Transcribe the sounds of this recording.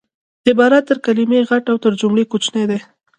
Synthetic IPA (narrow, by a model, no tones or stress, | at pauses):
ɪbɑɾat̪ːəɾkalimeɣaʈawt̪əɾd͡ʒʊmɽekot͡ʃnejd̪e